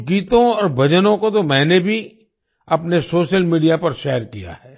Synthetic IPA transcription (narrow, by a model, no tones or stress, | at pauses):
kiːt̪õɔːɾbʱɐd͡ʒənõkot̪omɛ̃ːnebʱi | ɐpnesoːʃəlmiːɖijapɐɾʃɛːəɾkija̰ɦɛː